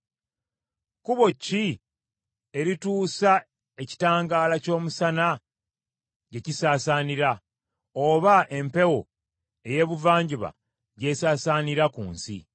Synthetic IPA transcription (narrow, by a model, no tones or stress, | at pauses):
kuβo̞cːi | e̞ɾituːsa | e̞ci̥taːŋɡaːlaco̞ːmusana | ɟe̞cisaːsaːniɾa | o̞βaʔe̞mpe̞wo̞ | e̞je̞ːβuvaːɲɟiβa̰ | ɟe̞ːsaːsaːniɾakṵːnsḭ